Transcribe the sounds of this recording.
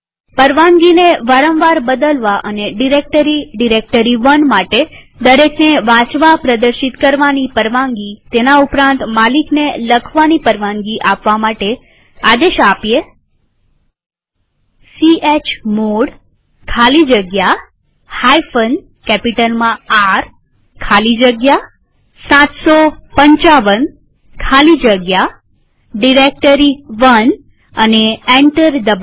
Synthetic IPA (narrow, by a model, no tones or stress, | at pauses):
pəɾʋãŋɡineʋaɾə̃mʋaɾbəd̪əlʋaʔəneɖiɾek̚ʈəɾiɖiɾek̚ʈəɾiʋənmaʈe | d̪əɾekʰneʋãt͡ʃʋapɾəd̪əɾʃit̪kəɾʋanipəɾʋãŋɡit̪enaupɾãnt̪malikneləkʰʋanipəɾʋãŋɡiʔapʋamaʈe | ad̪eʃapje | siet͡ʃmoɽ | kʰalid͡ʒəɡja | hajfən | kɛpiʈəlmãaɾ | kʰalid͡ʒəɡja | sãt̪sopəɲt͡ʃaʋən | kʰalid͡ʒəɡja | ɖiɾek̚ʈəɾiʋən | əneeɳʈəɾd̪əb